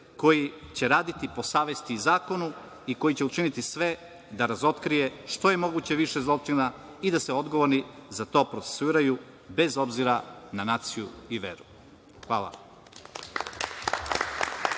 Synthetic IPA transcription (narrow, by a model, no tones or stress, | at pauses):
ko̞jit͡ɕe̞ɾaːd̪it̪ipo̞saːʋe̞st̪iuzaːko̞nu | iko̞jit͡ɕe̞ut͡ʃinit̪isʋe̞ | d̪aɾazo̞t̪kɾije̞ʃt̪o̞je̞mo̞ɡut͡ɕe̞ʋiʃezlˠo̞t͡ʂina | id̪aseo̞d̪ɡo̞ʋoɾnizat̪o̞ːpɾo̞t̪se̥suiːɾaju | be̞zo̞bziɾananaːt̪sijuiʋeɾu | xʋa̰ːla̰